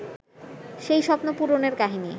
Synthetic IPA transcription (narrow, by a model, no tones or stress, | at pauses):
ʃejʃɔpnopuɾoneɾkaɦini